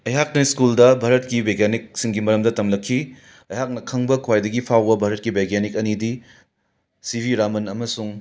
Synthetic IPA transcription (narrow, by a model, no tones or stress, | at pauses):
ɐjɦak̚nɐiskuldɐbʱaɾɐt̚kibeɡanik̚siŋɡimɐɾɐmdɐtɐmlɐkʰːi | ɐjɦak̚nɐkʰɐŋbɐkʰwajdɐɡipʰawbɐbʱaɾɐt̚kibʱeɡanikɐnidi | sibʱiɾamɐnɐmɐsuŋ